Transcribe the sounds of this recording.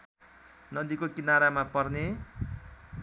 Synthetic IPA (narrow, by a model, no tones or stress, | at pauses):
nʌd̪ikokinaɾamapʌrne